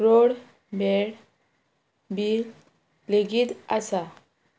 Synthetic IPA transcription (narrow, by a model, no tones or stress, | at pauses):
ɾoɽ | beɽ | biːɾ | leɡiːt̪əsa